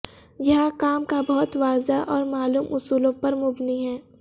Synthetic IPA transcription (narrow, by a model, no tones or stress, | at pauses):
jɐɦãkaːmkabɐɦʊt̪ʋaːzaʔɔːɾmaːluːmʔʊsuːlõpɐɾmʊbniɦɛː